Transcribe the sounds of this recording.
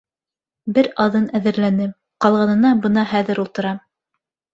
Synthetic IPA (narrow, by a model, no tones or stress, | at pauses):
bɘɾɑðɤnæðɘ̆ɾlænɘ | qɑlˠʁɑnɤ̆nɑbɤnɑhæðɘɾulˠt̪ɤ̆ɾɑ